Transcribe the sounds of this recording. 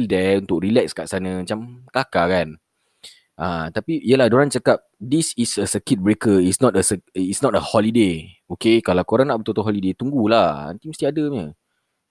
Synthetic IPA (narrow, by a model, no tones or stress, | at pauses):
ldɛunt̪ʊk̚rilɛkskaʔsanə̃mat͡ʃamkakakan | ʔat̪apiʔijəlahdoɾant͡ʃakap̚disisəsəkit̪̚bɾekəitsnɔtəsəitsnɔt̚əhɔlideokekalawkoɾaŋnaʔbət̪ot̪oɦɔlidet̪uŋɡulaha̰nt̪iməst̪iadəɲə